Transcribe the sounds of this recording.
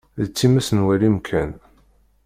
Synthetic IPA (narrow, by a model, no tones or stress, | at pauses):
ðt͡sːimæsənwælimkʰæn